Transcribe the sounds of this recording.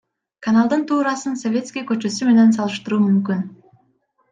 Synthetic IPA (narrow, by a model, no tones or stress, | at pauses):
kanalˠd̪ɯnt̪ʰuːɾɑsɯnso̞vʲe̞t̪skʲijkøt͡ʃø̞syme̞ne̞ns̬ɑlˠɯʃt̪ɯɾuːmymkyn